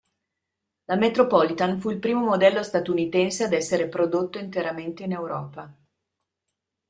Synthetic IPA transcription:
lamet̪ɾopɔlit̪anfuilpɾiːmomod̪ɛlːost̪at̪unit̪ɛnsead̪ɛsːeɾepɾod̪ot̪ːoint̪eɾament̪einewɾɔ̰ːpa

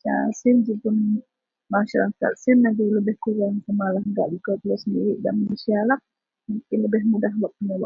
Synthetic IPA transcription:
t͡ʃa̰sɪnd͡ʒipʊn | maʃaɾaka̰t̪̚sɪnlaɡiləbɪhkuɾaŋkəmalaɦŋɡa̰ʔd͡ʒukat̪ulɔsəndiɾiʔdaʔmanusialah | muŋkɪnləbɪɦmudaɦlɔʔ̚pənolɔʔ

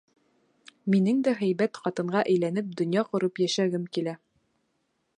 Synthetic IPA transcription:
minɘŋd̪æɦæjbæt̪qɑt̪ɤ̆ɴɢɑʔæ̆jlænɘp̚d̪ŏnjɑqŏɾɤpjæʃæɡɘmkilæ

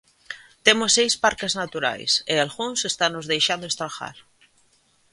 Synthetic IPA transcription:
t̪emʊsːejspaɾkaznat̪uɾa̰jsealɣuŋsest̪anʊzðejʃand̪oest̪ɾaxa̰ɾ

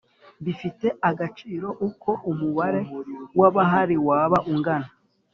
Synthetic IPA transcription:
βifite̞ʔaɡat͡ʃiːɾo̞ʔukʰo̞ʔumuβaɾe̞waβaɦaɾiwaːβaʔuŋɡana

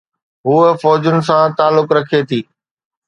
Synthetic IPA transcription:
ɦuːəfɔːd͡ʑʊnɪ̆s̬ãt̪aːlːʊkɾɐkʰet̪ʰiː

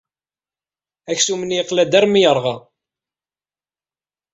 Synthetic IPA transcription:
æçsumənjqlæd̪æɾmijəɾˤʁɑ

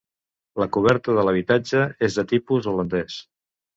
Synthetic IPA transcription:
ləkuβ̞ɛɾt̪əðələβ̞it̪ad͡ʒəezðət̪ipuzulənd̪ɛs

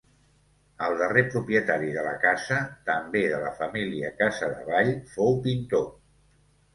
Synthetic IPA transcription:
əlˠd̪ərepɾupɾiət̪aɾiðələ̰kazət̪əmbeðələfəmiliəkazəðə̰βaʎfowpint̪o

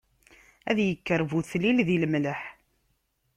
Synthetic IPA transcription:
æðjəkːəɾvuθlilðiləmləħ

